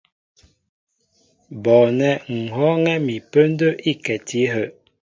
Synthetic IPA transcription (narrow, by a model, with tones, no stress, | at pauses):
bɔ˨nɛ˨ŋ̩˨ɦɔ˦ŋɛ˦mi˨pə˦n˦də˦ʔi˦kɛ˨tʰi˨˦ɦə˦˨